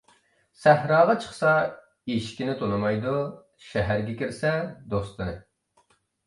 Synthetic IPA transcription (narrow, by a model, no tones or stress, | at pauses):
sæhɾɑːʁɑt͡ʃʰə̥χsɑ | iʃkʲinɪt̪ʰonɨmɑjd̪u | ʃɛɦæɾɡʲɛkʲiɾsɛd̪ost̪ɨnɨ̰